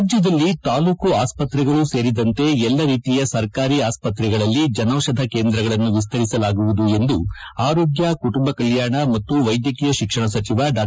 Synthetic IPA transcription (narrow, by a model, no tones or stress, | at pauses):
d͡ʒjɐd̪ɐlːit̪aːluːkuaːspɐt̪ɾɛɡɐɭuse̞ːɾid̪ɐnt̪e̞ɛlːɐɾiːt̪ijɐsɐɾkaːɾiːaːspɐt̪ɾɛɡɐɭɐlːid͡ʒɐnɐːʃɐd̪ʱɐke̞ːnd̪ɾɐɡɐɭɐnːuʋis̬t̪ɐɾisɐlaːɡuʋud̪ue̞nd̪u | aːɾo̞ːɡjɐkuʈumbɐkɐljaːɳɐmɐt̪ːuʋɐjd̪jɐkijɐʃikʂɐɳɐsɐt͡ʃiʋɐɖaː